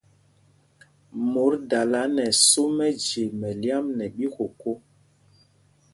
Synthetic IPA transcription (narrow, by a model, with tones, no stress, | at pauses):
mo˨˦ɾda˨la˨˦nɛ˨so˦mɛ˦d͡ʒe˨mɛ˨li˦a˦mnɛ˨ɓi˦ko˨ko˦